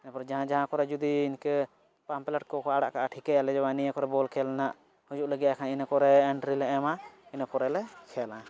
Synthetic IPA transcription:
napɔɾd͡ʒaɦãd͡ʒaɦãkɔɾɛd͡ʒud̪iːnkɛ | pamplɛʈ̚kɔkɔaɽa̰ʔkaʔaʈʰikɛjalɛd͡ʒɔwanijəkɔɾɛbɔlkʰɛlnaʔ | hud͡ʒuʔləɡijakʰaninakɔɾɛːɳʈɾilɛɛmainəkɔɾɛlɛkʰɛlã

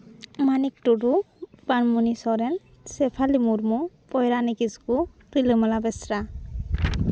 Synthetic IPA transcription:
manik̚ʈudu | b̥anmunisɔɾɛn | sɛpʰalimuɾmupɔjɾanikisku | ɾilɯmalabɛsɾa

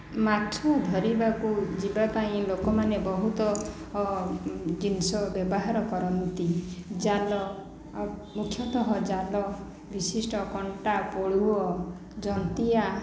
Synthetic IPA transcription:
mat̪ʰɔd̪ʱɔɾibakud͡ʒibapaĩlokɔmanebɔɦut̪ɔ | d͡ʒinsɔbjɔbɔɦaɾɔkɔɾɔnt̪id͡ʒalɔ | mukʰjɔt̪ɔɦɔd͡ʒalɔ | bisisʈɔkɔɳʈapoɭuɔ | d͡ʒɔnt̪ia

